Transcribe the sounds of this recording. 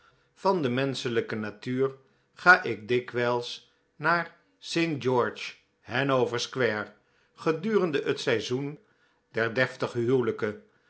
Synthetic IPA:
v̥ɑndəmɛnsələkənatyːr | χaːʔɪɡ̚dɪkʋɛlˠs | naːɹ | sejnd͡ʒɔɹt͡ʃ | hɛnowvəɹskʋɛɹ | χədyːrəndəʔətsɛjzun | dɛɹdɛftəχɦywləkə

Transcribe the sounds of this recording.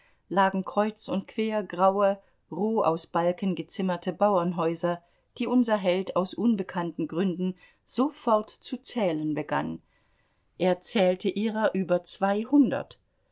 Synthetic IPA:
laːɡŋ̩kʁ̥ɔʏt͡sʊntkv̥eːɐɡʁaʊə | ʁoːʔa̰ʊsb̥alkənɡət͡sɪmɐtʰəbaʊɐnɦɔʏzɐ | d̥iːʔʊnzɐɦɛltaʊsʔʊnbəkʰantn̩ɡʁʏndn̩ | z̥ofɔɐtt͡sut͡sɛːlənbəɡa̰n | ʔeːɐt͡sɛːltəʔiːʁɐʔyːbɐt͡sv̥aɪhʊndɐ̰t

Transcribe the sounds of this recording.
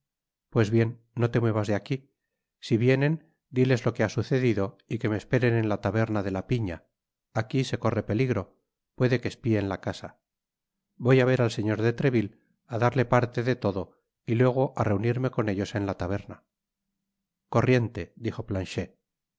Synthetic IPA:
pwe̞zβje̞nːo̞t̪e̞mwe̞βazðeaki | siβje̞ne̞n | d̪ile̞zlo̞keasuθe̞ðiðo̞ | ike̞me̞ːspe̞ɾe̞ne̞nlat̪aβeɾnaðe̞lapiɲaː | kise̞ko̞re̞pe̞liɣɾo̞ | pwe̞ðe̞kespie̞nlakasa | βo̞jaβe̞ɾalse̞ɲo̞ɾðet̪ɾe̞βil | aðaɾle̞paɾt̪e̞ðe̞t̪o̞ðo̞ | ilwe̞ɣ̞o̞ʔare̞uniɾme̞ko̞ne̞ʎo̞se̞nlat̪aβ̞e̞ɾna | ko̞rje̞nt̪e̞d̪ixo̞planʃe̞

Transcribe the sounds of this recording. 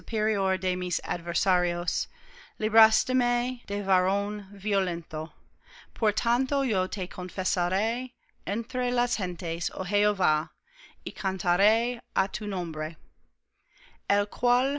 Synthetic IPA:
upʰeɾioɾd̪emisa̰d̪vɛɾsaɾioslibɾast̪emed̥evaɾõnviolẽnt̪opʰoɾt̪ʰant̪ojot̪ʰekʰoɱfesaɾej | ent̪ɾelashẽnt̪eso̰ɦeova | ikʰant̪ʰaɾejat̪ʰunõmbɾe | elkʰwal

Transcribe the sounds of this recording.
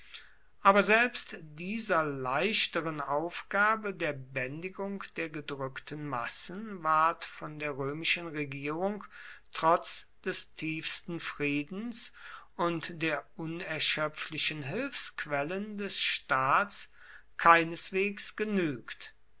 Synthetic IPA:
ʔaːbɐzɛlpstd̥iːzɐlaɪʃtəʁənaʊfɡ̥aːbədeːɐbɛndɪɡʊŋkd̥eːɐɡədʁʏktʰən̩masən̩vaɐtfɔndeːɐʁøːmɪʃənʁeɡiːʁʊŋtʁ̥ɔt͡sd̥ɛstʰiːfstn̩fʁ̥iːdn̩sʔʊntd̥eːɐʔʊnɛɐʃœp͡flɪʃənɦɪlfskv̥ɛləndɛsʃtaːtt͡s | kʰaɪnəsv̥eːksɡ̥ənyːkt

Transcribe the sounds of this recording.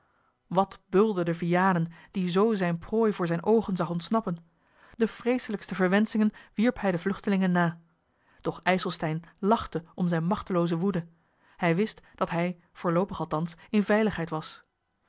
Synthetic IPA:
ʋɑtbɵlˠdədəvijaːnənd̥izowzɛjnproːjvʊːɹzɛjnʔowχənzɑχɔntsnɑpən | dəfrejsələkstəvəɹʋɛnsɪŋənʋiɹpɦɛjdəvlɵχtəlɪŋənːaː | d̥ɔχɛjsəlˠstɛjnlɑχtəʔɔmzɛjnmɑχtəlowzəʋudə | hɛjʋɪstd̥ɑtɦɛj | v̥ʊːɹlowpəχɑlˠtɑnsɪnvɛjləχɦɛjtʋɑs

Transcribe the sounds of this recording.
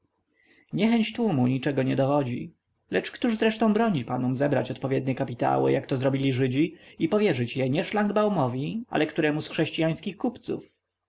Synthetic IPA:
ɲɛxɛɲt͡ɕt̪wumuɲit͡ʂɛɡɔɲɛd̪ɔvɔd͡ʑḭ | lɛt͡ʂkt̪uʐzɾɛʂt̪ɔ̃w̃bɾɔɲipanumzɛbɾat͡ɕɔt̪̚pɔvʲjɛd̪̚ɲɛkapʲit̪a̰wɘ̰jakt̪ɔzɾɔbʲilʲiʐɘd͡ʑiipɔvʲjɛʐɘt͡ɕjɛɲɛʂlaŋɡbawmɔvʲiʔa̰lɛkt̪uɾɛmusxʂɛɕt͡ɕijaj̃skʲixkupt̪sṵf

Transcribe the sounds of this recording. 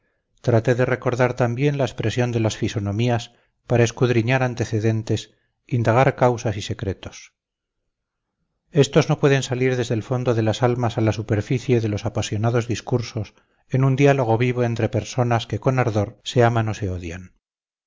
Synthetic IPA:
t̪ɾat̪e̞ðe̞re̞ko̞ɾðaɾt̪ambje̞nlaespɾe̞sjo̞nd̪e̞lasfiso̞nõ̞mias | paɾae̞skuðɾiɲaɾant̪e̞θe̞ðe̞nt̪e̞s | ind̪aɣ̞aɾkawsasise̞kɾe̞t̪os | e̞st̪o̞zno̞pwe̞ðe̞nsaliɾðe̞zðe̞lfo̞nd̪o̞ðe̞lasalmasalasupe̞ɾfiθje̞ðe̞lo̞sapasjo̞naðo̞zðiskuɾso̞s | e̞nund̪jalo̞ɣ̞o̞βiβo̞e̞nt̪ɾe̞pe̞ɾso̞naske̞ko̞naɾðo̞ɾse̞amano̞se̞o̞ðjan

